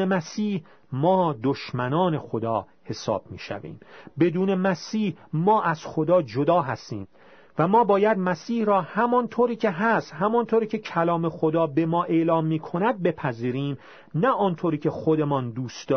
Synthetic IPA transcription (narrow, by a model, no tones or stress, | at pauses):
emæsiːh | mɒːd̪oʃmænɒːne̞xod̪ɒː | he̞sɒ̰ːb̥̚mḭːʃæ̰vḭːmbe̞d̪uːne̞mæsiːhmɒːʔæz̥xod̪ɒːd͡ʒod̪ɒːɦæst̪ḭːm | væmɒːbɒːjæd̪mæsiːhɾɒːhæmɒnt̪ʰoːɾiːcʰe̞ɦæst̪hæmɒnt̪ʰoːɾiːcʰe̞cʰælɒːmexod̪ɒːbe̞mɒːʔe̞lɒːmːiːkʰo̞næd̪̚be̞pʰæziːɾiːm | næʔɒːnt̪ʰoːɾiːcʰe̞xod̪e̞mɒnd̪uːst̪d̪ɒː